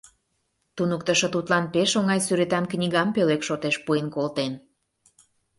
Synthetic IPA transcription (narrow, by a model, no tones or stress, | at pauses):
t̪unəkt̪əʃɤ̆t̪ut̪lɑnpeʃoŋɑjsyɾet̪ɑnknʲiɣɑmpølekʃot̪eʃpuenkolt̪en